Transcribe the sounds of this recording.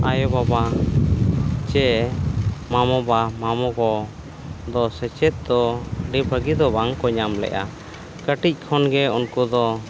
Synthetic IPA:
ajɔbaba | t͡ʃɛ | mamɔbamamɔkɔ | d̪ɔsɛt͡ʃɛt̪̚d̪ɔɖibəɡid̪ɔbaŋkɔɲamlɛ̰ʔa̰ | kəʈic̚ˀkʰɔnɡɛunkud̪ɔ

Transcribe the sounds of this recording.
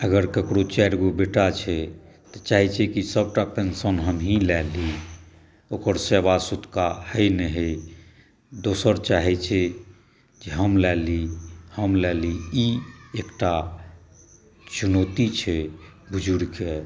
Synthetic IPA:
əɡəɾkəkɽot͡ʃɛɾɡobeʈat͡ʃʰɛ | t̪ɔt͡ʃaɦɛt͡ʃʰɛkisəb̚ʈapensənɦəmɦĩlɛli | okəɾsebasut̪kahəjnɛɦɛ | d̪osəɾt͡ʃaɦɛt͡ʃʰɛ | d͡ʒeɦəmlɛlihəmlɛliiekʈa | t͡ʃunot̪it͡ʃʰɛbʱud͡ʒʱuɾke

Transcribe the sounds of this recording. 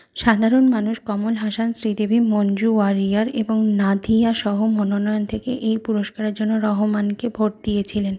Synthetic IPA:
ʃad̪ʱaɾonmanuʃkɔmolɦaʃansɾid̪ebʱimond͡ʑuwaɾiaɾeboŋnad̪ʱijaʃɔɦomononɔjont̪ʰekḛʔejpuɾoʃkaɾeɾd͡ʑonːoɾɔɦomankebʱoʈ̚d̪ijet͡ɕʰilen

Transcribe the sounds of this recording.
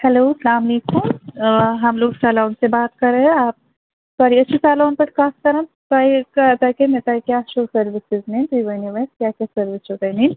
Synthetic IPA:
hɛloːsɐlaːmleːkʊm | ɦɐmloːɡsaːlaːnsebaːt̪kɐɾeɦɛ̃aːp̚ | sɔːɾiɐtːʃʰisaːlaʊnpɐʈkãːst̪ɐɾəm | saːikat̪akemet̪aːikjaːʃoːsɐɾʋɪsɪznẽnt̪uiʋɐniʋəskjaːkjaːsɐɾʋɪst͡ʃot̪ɐnĩn

